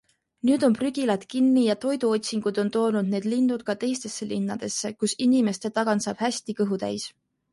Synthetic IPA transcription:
nyːd̪̥o̞npryɡ̥ilɑt̪kinːijɑt̪o̞jd̪̥uo̞t̪ʲsiŋɡ̥ud̪̥o̞nt̪o̞ːnud̪̥ne̞ːd̪lind̪̥ud̪̥̚kɑt̪e̞jst̪e̞sːelinːɑd̪̥e̞sːe̞kusinime̞st̪e̞t̪ɑɡ̥ɑnsɑ̰ːb̥hæsʲt̪ikɤɦut̪æ̰js

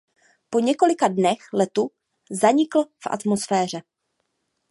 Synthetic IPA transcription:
po̞ɲɛko̞lɪkadnɛxlɛt̪u | zaɲɪkl̩fʔa̰t̪mosfɛːr̝ɛ

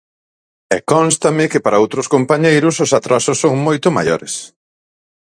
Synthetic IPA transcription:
ɛkɔnst̪ɐmɪkɪpaɾɐowt̪ɾʊskompaɲejɾʊsʊsat̪ɾasʊsːoŋmojt̪ʊma̰jo̰ɾɪ̰s

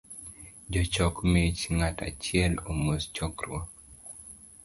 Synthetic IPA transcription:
d͡ʒɔt͡ʃɔkmet͡ʃŋata̰t͡ʃɪɛlomost͡ʃɔkɾw̰ɔ

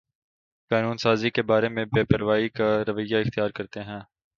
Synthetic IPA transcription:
kaːnuːnsaːzikebaːɾemẽbeːpəɾʋaːikaɾɐʋəjːaɪxt̪ijaːɾkɐɾt̪eɦɛ̃ː

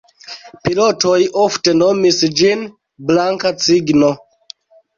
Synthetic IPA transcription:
pilo̞to̞jofte̞no̞misd͡ʒin | blaŋkat͡siɡno̞

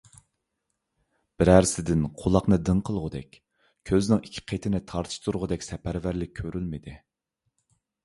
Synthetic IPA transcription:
b̥ɪɾæɾsɪd̪ɪnqʰolˠɑqnɨd̪ɨŋqʰəlˠʁʊd̪ɛ̰kʲ | kʲʰøznɪŋikʲʰːi̥qʰet̪ʰɪnɪt̪ʰɑɾt̪ʰɨ̥ʃt̪ʰuɾʁʊd̪ɛkʲsɛpʰæɾvæɾlɪk̚ʲʰːøɾylmɪd̪ɪ

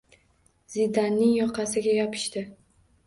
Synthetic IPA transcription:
z̥ɪd̪anːɪŋjɒqʰɑsɪɡʲajɒpʰɪ̥ʃt̪ɪ

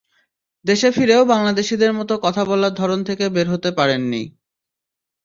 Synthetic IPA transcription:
d̪eʃefiɾeobaŋlad̪eʃid̪eɾmɔt̪okɔt̪ʰabɔlaɾd̪ʱɔɾont̪ʰekebeɾɦot̪epaɾenːḭ

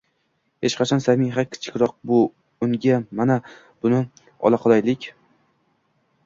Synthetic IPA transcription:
het͡ʃqʰɑt͡ʃʰɒnsamɪŋɦakʲʰɪ̥t͡ʃʰɪ̥kʲɾɒq̚bʊ | ʊŋɡʲamana | b̥ʊnɪ | ɒ̰lˠaqʰɒlˠajlɪkʲ

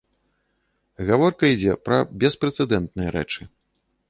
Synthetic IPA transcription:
ɣavɔrkɐid͡zʲɛpɾɐbʲɛspɾɛt̪sɛd̪ɛnt̪nɨjɐɾɛ̰t͡ʂɨ

